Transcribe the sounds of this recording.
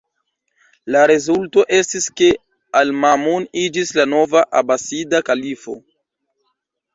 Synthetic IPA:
laɾezulto̞ʔe̞stiske̞ | almamunid͡ʒislano̞vaʔabasidakalifo̞̰

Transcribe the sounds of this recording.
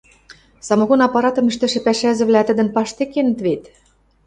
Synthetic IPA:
sɑmŏɣonɑpːɑɾɑt̪ɤ̆miʃt̪ɘ̆ʃĕpæʃæzɘ̆βlæt̪ɘ̆d̪ɘ̆npɑʃt̪ekːenɘ̆t̪βet̪

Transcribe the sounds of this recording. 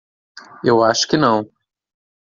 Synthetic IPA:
ewaʃʊ̥kɪnɐ̃w̃

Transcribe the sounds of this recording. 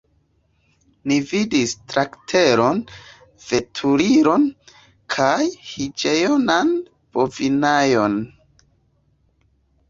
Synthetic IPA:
nividistɾaktʰe̞ɾo̞n | v̥e̞tʰuɾiɾo̞n | kʰajhid͡ʒe̞jonan | b̥o̞vinajon

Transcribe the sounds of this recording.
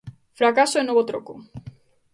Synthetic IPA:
fɾakasoenoβot̪ɾoko

